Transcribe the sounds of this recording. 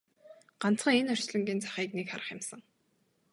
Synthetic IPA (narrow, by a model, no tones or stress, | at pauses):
ɢ̥an̥t͡sχə̆ŋenœr̥ʲt͡ɕɮɵ̆ŋɡʲiːnt͡sḁχiːknekχaɾə̆χjɪ̆msə̆ŋ